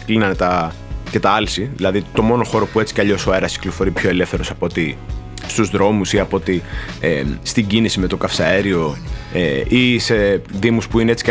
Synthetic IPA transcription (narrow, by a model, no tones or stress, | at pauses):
klinɐnet̪ɐ | ce̞t̪ɐɐlsiðilɐðit̪o̞mo̞no̞xo̞ɾo̞pue̞t͡si̥kɐʎo̞soe̞ɾɐsi̥klo̞fo̞ɾipço̞ele̞fθe̞ɾosɐpo̞t̪i | st̪uzðɾo̞musiɐpo̞t̪iest̪iɟinisime̞t̪o̞kɐfsɐeɾio̞eise̞ðimuspuineet͡si̥k